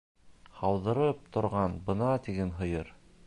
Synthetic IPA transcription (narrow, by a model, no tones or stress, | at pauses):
hɑwðɤ̆ɾɤp̚t̪ʰŏɾʁɑnbɤ̆nɑt̪iɡɘnɦɤ̆jɤɾ